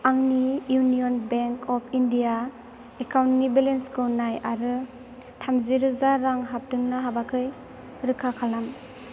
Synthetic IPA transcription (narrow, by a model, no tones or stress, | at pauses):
aŋnijunijɔnbeŋkʰɔpʰindija | ekawntnibelenskɯwnajaɾɯ | tʰamziɾɯzaɾaŋɦap̚dɯŋnaɦabakʰɯj | ɾɯkʰakʰalam